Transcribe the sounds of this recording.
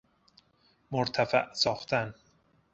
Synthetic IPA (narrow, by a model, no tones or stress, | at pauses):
moɾt̪ʰæfæ̰ʔsɒːxt̪ʰæn